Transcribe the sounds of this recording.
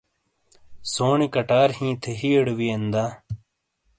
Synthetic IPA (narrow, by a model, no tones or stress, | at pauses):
soːɳikɐʈaːɾhĩːt̪ʰeɦieɽwiend̪aː